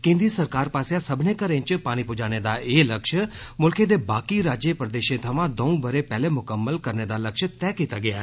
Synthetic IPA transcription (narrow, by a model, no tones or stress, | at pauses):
kẽnd̪isəɾkaɾpaseãsəbʱnekəɾẽɲt͡ʃpaːɽ̃ipʊd͡ʒañed̪aeləkʃəmʊlkʰed̪ebakiɾad͡ʒjəpɾəd̪eʃẽt̪ʰəʋãd̪əũbəɾepɛɦlemʊkəmːəlkəɾned̪aləkʃət̪ɛ̃kit̪aɡəjaɦe